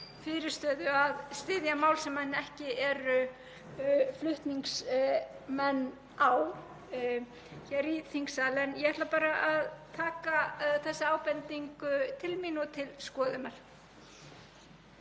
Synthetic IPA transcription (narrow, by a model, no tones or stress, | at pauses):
fɪːɾɪɾ̥st̪œːðʏaðst̪ɪðjamaːwlsɛmːɛnːɛhcɪɛɾʏ | flʏht̪niŋks | mɛnː | aw | çɛɾiːθiŋksaːlɛnjɛhɛht̪lapaːɾaʔaðt̪ʰaːkaθɛsːɪaːwpɛnt̪iŋkʏt̪ʰɪlmiːnɔt̪ʰɪlskɔːðʏmɛl̥